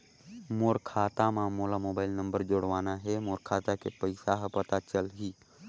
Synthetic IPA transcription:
moːɾkʰaːt̪amãmoːlamoːbaːɪlnə̃mbəɾd͡ʒoːɽʋaːnaɦemoːɾkʰaːt̪akepəɪsaɦpət̪at͡ʃəlɦiː

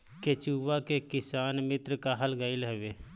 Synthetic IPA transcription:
ket͡ʃuːbakekɪsaːnmɪt̪ɾkaɦəlɡəːɪlɦɛʋeː

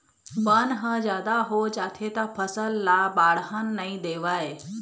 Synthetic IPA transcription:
bənɦə̃zjaːd̪aɦod͡ʒaːt̪ʰet̪apʰəsəlːabaːɽ̤ɦənːɐĩd̪eːʋaːe

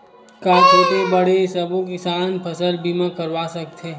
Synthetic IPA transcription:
kaːt͡ʃeːʈ̪ebɐɽesɐbõk̬isaːnpʰɐsəlbiːmãkəɾʋaːsɐk̚t̪eː

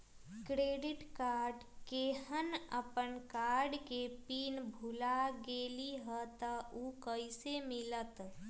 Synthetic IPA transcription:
kɾeɖiʈkaɾɖkeɦənəpənkaɾɖkepinbʱulaɡeliɦət̪əukəjsemilət̪

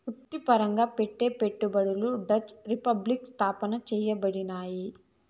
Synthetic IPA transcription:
mut̪ːipɐɾɐŋɡaːpeʈːeːpeʈːubɐɽuluɖɐt͡ʃɾipɐblikst̪ʰaːpɐnɐt͡ʃɛːjɐbɐɽinaːji

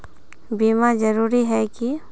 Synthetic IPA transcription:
biːmad͡ʒɐɾuːɾiɦɛki

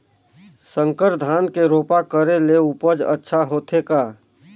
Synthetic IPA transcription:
sə̃ŋkəɾd̪ʱaːnkeɾoːpakəɾeleʊpəd͡ʒə̰tːʃʰaɦoːt̪ʰekaː

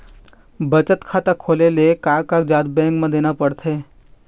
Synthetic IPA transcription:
bət͡ʃət̪kʰaːt̪əkʰoːlelekaːkakd͡ʒaːd̪bɛ̃ːŋkmẽd̪eːnapəɽt̪ʰeː

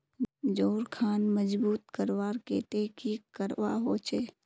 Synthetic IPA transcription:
d͡ʒoːɾkʰaːnməd͡ʒbuːt̪kəɾʋaːɾkḛːt̪eːkikəɾʋaɦoːt͡ʃʰeː

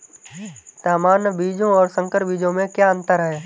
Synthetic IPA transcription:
t̪aːmaːnbiːd͡ʒõɔːɾsə̃ŋkəɾbiːd͡ʒõmẽkjaə̃nt̪əɾɦɛː

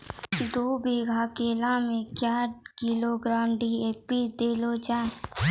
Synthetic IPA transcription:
d̪oːbiɡʱakeːlãmẽkjaːɾkiloɡɾaːmɖieːpid̪eːlod͡ʒaːe

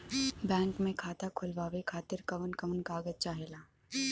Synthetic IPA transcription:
bɛ̃ːŋkmẽkʰaːt̪akʰʊlʋaːʋekʰaːt̪ɪɾkɐʋənkɐʋənkaːɡəzt͡ʃaːɦelaː

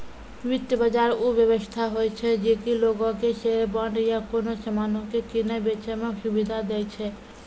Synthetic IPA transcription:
ʋit̪jəbəd͡ʒaɾubjəbəst̪ʰaɦojt͡ʃʰɛd͡ʒekiloɡõkeʃeɾbəɳɖjakonosəmanõkekinəbet͡ʃɛmẽʃubid̪ʱad̪ɛjt͡ʃʰɛ

